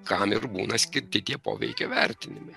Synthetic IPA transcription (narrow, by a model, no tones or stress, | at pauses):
kɐmɪrbuːnɐsʲkʲɪɾʲt̪ʲɪt̪ʲiɛpo̰ːʋʲɛ̰ɪkʲoːʋʲæɾʲt̪ʲɪnʲɪmɛɪ